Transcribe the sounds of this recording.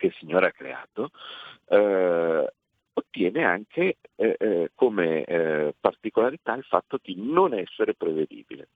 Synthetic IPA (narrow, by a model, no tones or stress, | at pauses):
kesːiɲːoːɾeakːɾḛa̰ːt̪o | ot̪ːjɛːnea̰ŋkʰe | komepart̪ikolaɾit̪ailfa̰t̪ːod̪inonɛsːeɾepɾeved̪ḭːbḭlḛ